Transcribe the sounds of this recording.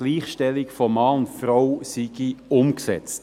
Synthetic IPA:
liːχʃtɛlɪkfɔmɑːʊntfrawsiɡ̥iʊmksɛt͡st

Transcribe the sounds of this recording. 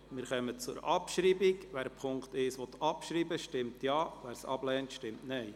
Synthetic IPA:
mɪɾχœmət͡sʊ̰ɾɑpʃɾiːbikʋæːɾpʰʊŋkt̪ɪʃʋɔt̪ʰɑpʃɾiːbəʃtɪmtjɑːʋæːɾsɑ̰b̥lɛːntʃtɪmtnɛj

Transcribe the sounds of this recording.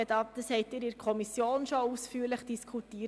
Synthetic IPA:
ədɑd̥̪əshɛɪtiːɾɪɾkʰɔmisjoːnʃousfyːɾləχd̥iskʰutiː

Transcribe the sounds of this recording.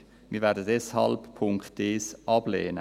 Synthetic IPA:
mɪɾvɛːɾdədɛshɑ̰lppʰʊŋktːeːsɑb̥leːnə

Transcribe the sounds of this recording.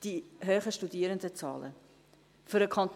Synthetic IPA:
d̥iɦøːχəʃtudiːɾəndət͡sɑ̰ːlə̰ | føɾəkʰɑnt

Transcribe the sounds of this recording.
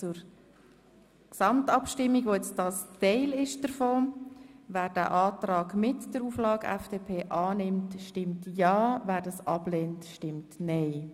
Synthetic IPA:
t͡sʊɾ | ksɑmtɑpʃtɪmːiɡʋoːɛt͡sdɑːstɛɪlɪʃd̥əɾfoːvæːɾd̥æ̰ːʔɑːtɾɑːɡmɪtd̥əɾuːflɑːɡɛ̰fd̥eːpʰeːʔɑːnɪmtʃtɪmtjɑːvæːɾdɑsɑblɛːntʃtɪmtnɛɪ

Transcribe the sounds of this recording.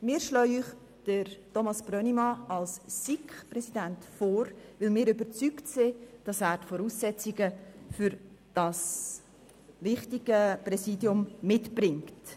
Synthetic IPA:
mɪːɾʃlœyχ | d̥əɾtɔmɑsb̥ɾœnimɑɑlssikχprɛsidæntfoːɾʋɪlmɪːɾʏbəɾt͡syktsɪd̥ɑsæːɾtfɔɾuːsːɛt͡siɡəfyɾ | d̥ɑs | vɪχtiɡ̥əprɛsiːdjʊmːɪtb̥rɪŋkt

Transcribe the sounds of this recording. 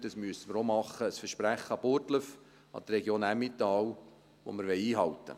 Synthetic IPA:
d̥ɑsmyəsəməɾomɑχːəːsfəɾʃpɾæχːəɑboːɾtləf | ʔɑ̰d̥̪ərɛɡjoːnæmit̪ɑːw | ʋo̰məɾʋɛɪiːɦɑwt̪ːə̰

